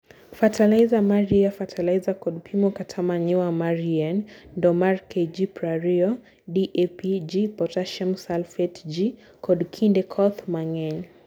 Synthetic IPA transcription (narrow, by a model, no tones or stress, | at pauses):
fatʰalaizamaɾiafatʰalaizakɔdpʰimɔkatʰamaɲiwamaɾiɛnndɔmaɾkɛd͡ʒipɾaɾiɔ | diʔepid͡ʒipɔtaʃɛmsalfɛtd͡ʒi | kʰɔdkʰindɛkʰɔθmaŋɛn